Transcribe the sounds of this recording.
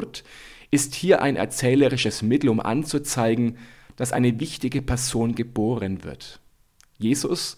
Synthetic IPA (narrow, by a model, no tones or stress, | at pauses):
t | ʔɪsthiːɐʔa̰ɪnʔɛ̰ɐt͡sɛːləʁɪʃəsmɪtl̩ʊmʔa̰nt͡sut͡saɪɡŋ̩d̥asʔa̰ɪnəvɪçtɪɡəpʰɛɐzoːnɡəboːʁənvɪ̰ɐt | jeːzʊs